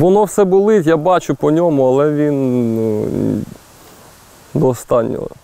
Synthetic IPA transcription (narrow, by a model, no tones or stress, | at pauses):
ʋɔnɔwsɛbʊlˠɪt̪ʲjabɑt͡ʃʊpɔnʲɔmʊɐlˠɛʋʲin | d̪ɔːst̪ɑnʲːɔ̰ɦɔ̰